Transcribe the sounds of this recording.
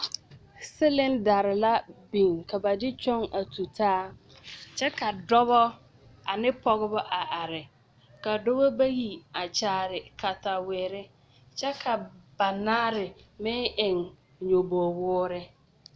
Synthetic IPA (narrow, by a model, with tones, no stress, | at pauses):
sɪ˦lɪ˦nda˨ɾɪ˨la˦bi˨ŋka˨ba˨dɪ˦t͡ʃɔ˦ŋa˨tu˨tʰaː˦ | t͡ʃɛ˦ka˨dɔ˦βɔ˦ | a˨nɪ˦pɔ˨ɣɪ˦bɔ˦ʔa˨ʔa˨ɾɪ˨ | ka˨dɔ˦bɔ˦ba˦ji˨a˨t͡ʃaː˦ɾɪ˨ka˨ta˨wɪː˨ɾɪ˦ | t͡ʃɛ˦kʰa˨ba˨naː˦ɾɪ˨mɪ˦ʔɪ˨ŋ | ɲo˨bɔ˨wʊː˦ɾɪ˦